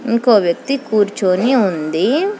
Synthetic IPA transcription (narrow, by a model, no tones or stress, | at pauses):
iŋkoːʋjɐk̚t̪ikuːɾt͡ʃoːniund̪i